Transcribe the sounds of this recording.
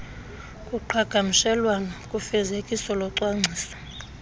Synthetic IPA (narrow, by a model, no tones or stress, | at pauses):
kʼuǃʰaɡ̥ʱamiʃɛlwanɔkʼufɛzekʼisɔlɔǀwaŋ͡ǀʱiːsḁ